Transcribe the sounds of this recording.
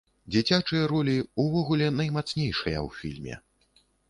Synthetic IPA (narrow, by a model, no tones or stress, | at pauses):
d͡zʲit͡sʲat͡ʂɨjɐɾɔlʲiuvɔɣulʲɛnɐjmat̪snʲejʂɐjɐ̰wfʲilʲmʲɛ̰